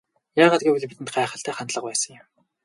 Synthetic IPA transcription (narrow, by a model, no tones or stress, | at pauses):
jaːʁaːt̪ɡiːuɮpit̪ɘ̆nt̪ɢæːχə̆ɬt̪æːχant̪ɮə̆q̚pæːsə̆ŋjɪ̆m